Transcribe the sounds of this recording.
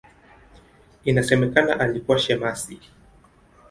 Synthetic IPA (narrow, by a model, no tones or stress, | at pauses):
inasɛmɛkana̰ʔalikuwaʃɛmasi